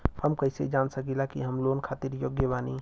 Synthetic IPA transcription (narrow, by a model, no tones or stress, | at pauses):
həmkəɪsed͡ʒaːnsəkilakiɦəmlonkʰaːt̪iɾjoɡjəbaːni